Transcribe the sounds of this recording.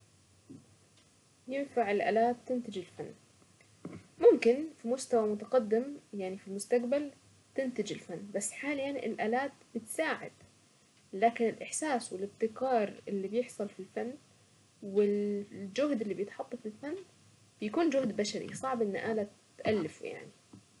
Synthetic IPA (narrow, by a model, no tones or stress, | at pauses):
jɪnfaʕɪlʔa̰ːlaːt̪̚ːɪnt̪ɪd͡ʒɪlfanː | mʊmkɪnfimʊst̪awamʊt̪aqɑd̪ːɪmjaʕnifilmʊst̪aqbal | t̪ɪnt̪ɪd͡ʒɪlfanːbasːħaːlijanʔɪ̰lʔaːlaːt̪b̥ɪt̪saːʕɪ̰d̪̥ | laːkɪnɪlʔɪħsaːswɪlɪb̚t̪ɪkɑːɾˤʔɪlːibjɪħsˤɨlfilfanː | wɪld͡ʒʊɦd̪ʔɪlːibjɪt̪ħɑt̪ˤːɑfɪlfanː | b̥ɪjakuːnd͡ʒʊhd̪baʃaɾḭsˤɑʕbʔɪn̰ːʔaːla | t̪ʔalːɪfṵja̰ʕni